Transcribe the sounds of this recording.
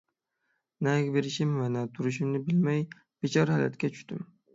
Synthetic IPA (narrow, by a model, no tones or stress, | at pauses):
naɡʲbeɾɪʃɪmvanat̪ʰʊɾɪʃɪmnɪbɪlmaj | b̥et͡ʃʰɒɾahala̰t̪kʲat͡ʃʰʊ̥ʃt̪ɪm